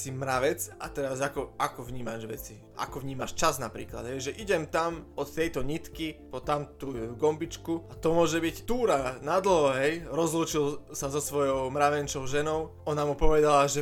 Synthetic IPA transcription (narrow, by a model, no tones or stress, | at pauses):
simɾaʋɛt͡sat̪ɛɾazakɔakɔʋɲiːmaʒʋɛ̰t͡si | ʔa̰kɔʋɲiːma̰ʃt͡ʃaznapɾḭːkla̰d̪ɦɛjʒɛʔiɟɛmt̪amɔt̪t̪ɛjt̪ɔɲit̪kipɔt̪amt̪uːɡɔmbit͡ʃkuat̪ɔmʊɔʒɛbict̪uːɾanad̪l̩ɦɔɦɛjɾɔzluːt͡ʃilsazɔsʋɔjɔʊmɾaʋɛnt͡ʃɔʊʒɛnɔʊ | ɔnamupɔʋɛd̪alaʒɛ